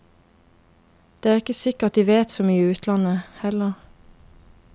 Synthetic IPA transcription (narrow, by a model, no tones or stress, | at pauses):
d̪̥eːæːʁɪkəsɪkəɑt̪̚d̪iːʋeːt̪soːmyːəʉːt̪ʰlɑnəhɛləʁ